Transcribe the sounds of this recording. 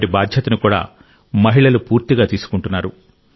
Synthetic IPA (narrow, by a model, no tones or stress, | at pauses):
ʈibaːd̪ʱjɐt̪ɐnukuːɽa̰ː | mɐɦiɭɐlupuːɾt̪iɡaːt̪iːsu̥kuɳʈunːaːɾu